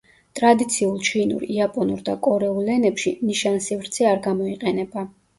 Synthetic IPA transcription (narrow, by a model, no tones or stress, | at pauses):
t̪ʼɾad̪it̪sʰiulˠt͡ʃʰinṵɾiapʼɔnuɾd̪akʼɔɾɛulˠɛnɛpʃiniʃansivɾt̪sʰiaɾɡamɔiqʼɛnɛba